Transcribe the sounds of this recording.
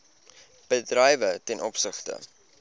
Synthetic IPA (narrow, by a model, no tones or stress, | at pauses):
b̥ədrɛjvətɛnʔɔpsəχtə̰